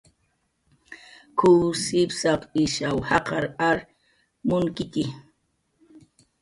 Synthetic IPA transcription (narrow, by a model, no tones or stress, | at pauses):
kusɪpsɑqɪʃawhɑqɑɾaɾ | mʊŋkɪkɪ